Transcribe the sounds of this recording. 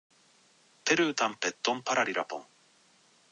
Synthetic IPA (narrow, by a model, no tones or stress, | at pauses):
peɾʉt̪ampɛt̪ːompaɾaɾiɾapo̰ŋ